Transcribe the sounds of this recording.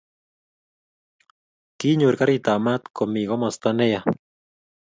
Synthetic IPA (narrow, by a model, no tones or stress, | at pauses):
kiɲuɾkaɾit̪amat̪komiɣomost̪aneja